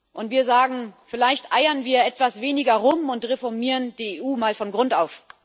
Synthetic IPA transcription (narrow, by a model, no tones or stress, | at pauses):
ʔʊntv̥iːɐzaːɡŋ̩fɪlaɪçtʔaɪɐnviːɐʔɛtv̥asv̥eːnɪɡɐʁʊmʊntʁefɔɐmiːʁənd̥iːeːʔuːmaːlfɔnɡʁʊntaʊf